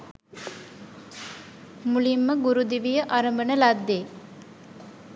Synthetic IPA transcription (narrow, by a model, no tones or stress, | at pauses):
mulimːəɡuɾud̪iʋijəʔaɾəmbənəlad̪ːe